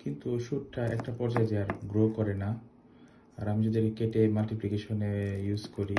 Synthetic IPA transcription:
kint̪uʃuʈʈaɛ̰k̚ʈapɔɾd͡ʑaed͡ʑeaɾɡɾoɦkɔɾena | aɾamid͡ʑod̪iɾkeʈemalʈiplikeʃonejuzkoɾi

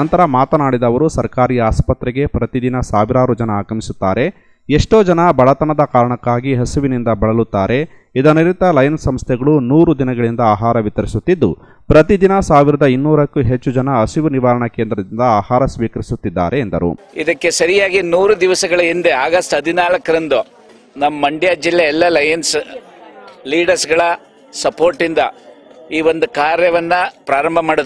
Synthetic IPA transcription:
ɐnt̪ɐɾɐmaːt̪ɐnaːɽid̪ɐʋɐɾusɐɾkaːɾiːjaːspɐt̪ɾɛɡe̞pɾɐt̪id̪inɐsaːʋiɾaːɾud͡ʒɐnɐaːɡɐmisut̪ːaːɾe̞ | eʂʈo̞ːd͡ʒɐnɐbɐɭɐt̪ɐnɐd̪ɐkaːɾɐɳɐkːaːɡiɦɐsuʋinind̪ɐbɐɭɐlut̪ːaːɾe̞ | id̪ɐniɾit̪ɐlɐjnsɐmst̪ʰjɛɡɐɭunuːɾud̪inɐɡɐɭind̪ɐaːɦaːɾɐʋit̪ɐɾisut̪ːid̪ːṵ | pɾɐt̪id̪inɐsaːʋiɾɐd̪ɐinːuːɾɐkːuɦe̞t͡ʃːud͡ʒɐnɐːsiʋuniʋaːɾɐɳɐkeːnd̪ɾɐd̪ind̪ɐaːhaːɾɐsʋiːkɐɾisut̪ːid̪ːa̰ːɾʔe̞ːnd̪ɐɾṵ | ḭd̪ɐkːe̞sɐɾijaːɡinuːɾud̪iʋɐsɐɡɐɭɐind̪eaːɡɐsʈɦɐd̪ʱinaːlɐkːɐɾɐnd̪u | nɐmːɐmɐɳɖjaːd͡ʒilːeɛlːɐlɐjɐns | liːɖɐɾsɡɐɭɐ | sɐpo̞ːɾʈːind̪ɐiːʋond̪ukaːɾjɐʋɐnːɐpɾaːɾɐmbʱɐmaːɽod̪

